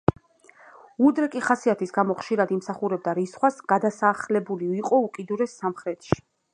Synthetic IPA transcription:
ud̪ɾɛkʼiχasiat̪ʰisɡamɔχʃiɾad̪imsaχuɾɛb̚d̪aɾisχwasɡ̥ad̪asaːχlɛbuliiqʼɔukʼid̪uɾɛsːamχɾɛt̪ʰʼʃi̥

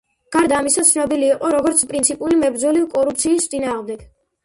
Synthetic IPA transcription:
ɡ̥aɾd̪aːmisat̪sʰnɔbiliːqʼɔɾɔɡɔɾt̪sʰpʼɾint̪sʰipʼulimɛbɾd̪zɔlivkʼɔɾup̚ʰt̪sʰiːst̪sʼinaːʁmd̪ɛɡ̥

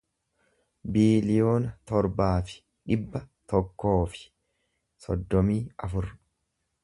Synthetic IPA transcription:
biːlɪjo̞ːnɐt̪ɔɾbaːfɪ̥ | ᶑɪbːɐt̪ɔkːo̞ːfɪ̥ | sɔ̰d̪ːɔmiːɐfʊɾ

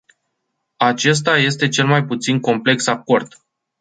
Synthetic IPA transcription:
at͡ʃe̞s̬t̪aje̞st̪e̞t͡ʃe̞lmajput̪sinko̞mple̞ksako̞rd̪̥

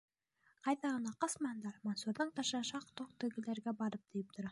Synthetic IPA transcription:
qʰɑjt̪ɑʁɑnɑqɑsmɑnd̪ɑɾmonsuɾd̪əɴt̪ʰɑʃɑʃɑqt̪ʰoq̚t̪ɵɡʲɪleɾɡʲebɑɾəp̚d̪̥ejp̚t̪ʊɾɑ

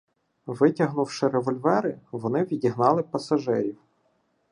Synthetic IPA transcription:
ʋɪtʲɐɦnʊwʃɪɾeʋɔlʲʋɛɾɪʋɔnɪʋʲidʲiɦnɑlˠɪpɐsɐʒɛjiw

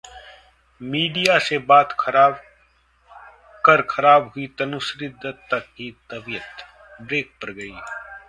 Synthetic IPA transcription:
miːɖijasebaːt̪kʰɐɾaːb | kəɾkʰɐɾaːbɦʊit̪ɐnʊsɾɪd̪ʱːət̪ːɐkɦit̪ɐbijət̪ | bɾeːk̚pɐɾɡɐiː

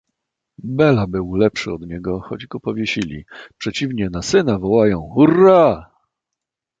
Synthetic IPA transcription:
bɛlabɘwlɛpʂɘɔd̪ɲɛɡɔxɔd͡ʑɡɔpɔvʲjɛɕilʲḭpʂɛt͡ɕivɲɛnasɘnavɔwajɔ̃w̃xura

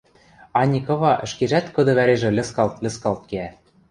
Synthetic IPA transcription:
ɑnʲikɤ̆βɑʔɘ̆ʃkeʒæt̪kɤ̆d̪ɤ̆βæɾeʒɘ̆lʲɘ̆skɑlt̪lʲɘ̆skɑlt̪̚keæ

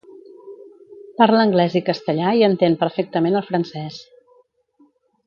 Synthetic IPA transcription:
paɾləŋɡlɛzikəst̪əʎaiənt̪enpəɾfek̚t̪əmenəlˠfɾənsɛs

